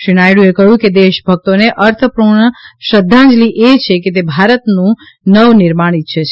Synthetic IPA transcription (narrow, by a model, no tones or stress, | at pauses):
ʃiñajɽũekəjũked̪eʃbʱək̚t̪oneʔəɾt̪ʰəpuɳəʃəd̪ʱːãd͡ʒliʔet͡ʃʰeket̪̬ebʱaɾət̪nũ | nəʋnɪɾmaɽ̃it̪̚ʃʰet͡ʃʰ